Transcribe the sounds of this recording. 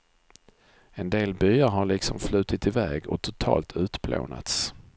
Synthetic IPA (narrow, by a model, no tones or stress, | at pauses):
ɛnd̪eːlbyːaɾɦaɭɪksɔmflʉ̟ːt̪ɪt̪ɪvɛːɡɔt̪ʰʊt̪ʰɑ̰ːlt̪ʰʉ̟ːt̪bʰlo̰ːna̰t̪s